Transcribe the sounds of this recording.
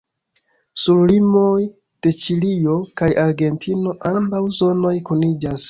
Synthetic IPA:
suɾlimo̞j | d̥e̞t͡ʃilio̞kajaɾɡe̞ntʰino̞ʔambawzo̞no̞jkunid͡ʒas

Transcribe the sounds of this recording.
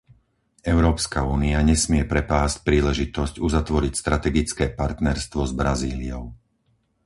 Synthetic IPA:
ɛʊɾɔːpskauːniaɲɛsmɪɛpɾɛpaːsc̚pɾiːlɛʒit̪ɔscuzat̪ʋɔɾicst̪ɾʔat̪ɛɡit͡skɛːpaɾt̪nɛɾst̪ʋɔzbɾaziːliɔʊ

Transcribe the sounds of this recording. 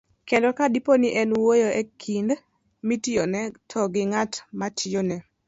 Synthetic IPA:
kendɔkadiponɪʔɛnwojoʔɛkʰind | mitijonɛtʰɔɡɪŋatmatʰijonɛ

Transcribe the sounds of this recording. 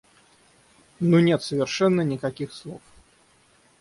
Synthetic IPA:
nunʲet̪səvʲɪrʂɛnːənʲɪkɐkʲixslˠof

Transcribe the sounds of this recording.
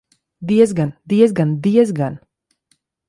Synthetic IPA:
d̪iɛzɡand̪iɛzɡand̪iɛzɡan

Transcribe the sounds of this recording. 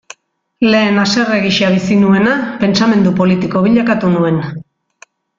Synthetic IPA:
le̞ːnase̞re̞ɣiʃaβ̞isinue̞nape̞nt͡same̞nd̪upo̞lit̪iko̞β̞iʎakat̪unue̞n

